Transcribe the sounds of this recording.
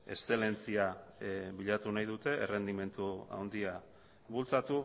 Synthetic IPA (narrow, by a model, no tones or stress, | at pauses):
e̞̰st̪e̞le̞nt͡siaβiʎat̪unajðut̪e̞ʔːre̞nd̪ime̞nt̪ua̰wnd̪ia | βult͡sat̪u